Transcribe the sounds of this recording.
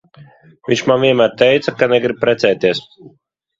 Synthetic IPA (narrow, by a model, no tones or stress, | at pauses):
vʲiɲʲt͡ʃmanvʲiɛnmæːɾt̪ɛjt̪sakanɛɡɾib̚pɾɛt̪sɛːt̪iɛs